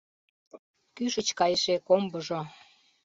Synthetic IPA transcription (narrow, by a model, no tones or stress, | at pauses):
kyʃət͡ɕkɑjeʃekombəʒo